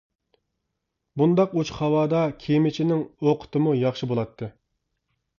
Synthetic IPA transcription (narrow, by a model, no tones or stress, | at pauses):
bund̪ɑqut͡ʃχɑwɑːd̪ɑkʲʰemɪt͡ʃʰinɪŋoqʰə̥t̪ɨmujɑχʃibolˠɑt̪ʰːɨ